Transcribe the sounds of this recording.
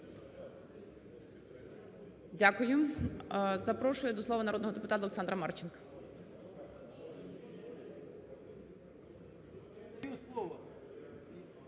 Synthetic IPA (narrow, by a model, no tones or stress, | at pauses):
dʲakʊjʊ | zɐpɾɔʃʊjʊd̪ɔslˠɔʋɐnɐɾɔd̪nɔɦɔd̪epʊt̪ɑt̪lˠeksɑnd̪ɾɐmɑrt͡ʃɪnkɐ̥ | uslˠɔʋɐ